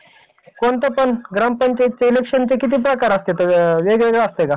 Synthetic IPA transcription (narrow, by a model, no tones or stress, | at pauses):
koɳt̪əpəɳɡɾampəɲt͡ɕait̪̚t͡seilekʂənt͡ɕekit̪iːp̬ɾəkaɾəst̪et̪oʋeɡʋeɡɭaəst̪eka